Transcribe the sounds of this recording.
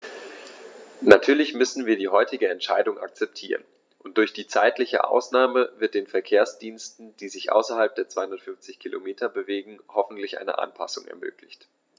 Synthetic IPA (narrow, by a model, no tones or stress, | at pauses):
natʰyːɐlɪçmʏsn̩viːɐdiːɦɔʏtɪɡəɛntʃa̰ɪdʊŋʔa̰k̚t͡sɛp̚tʰḭːʁən | ʔʊntd̥ʊɐçd̥iːt͡saɪtlɪçə̰ʔa̰ʊsnaːməvɪɐt̚d̥eːnfɛɐkʰeːɐsd̥iːnstn̩d̥iːzɪçʔa̰ʊsɐhalp̚d̥eːɐt͡sv̥aɪhʊndɐtfʏnft͡sɪçkʰilʔo̰meːtʰɐbəveːɡŋ̩hɔfn̩tlɪçʔa̰ɪnə̰ʔa̰npʰa̰sʊŋɛ̰ɐmø̰ːklɪçt